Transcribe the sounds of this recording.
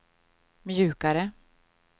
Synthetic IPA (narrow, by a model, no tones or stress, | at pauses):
mjʉ̟ːkaɾə